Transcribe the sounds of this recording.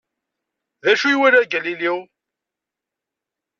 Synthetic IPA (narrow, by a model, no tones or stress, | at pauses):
ðæʃujwiɾæɡæliliw